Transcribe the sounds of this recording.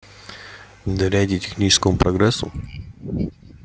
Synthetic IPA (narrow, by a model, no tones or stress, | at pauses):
d̪ɐɾʲadʲitʲɪ̥xnʲit͡ɕɪ̥skəmʊpɾɐɡɾɛsːʊ̰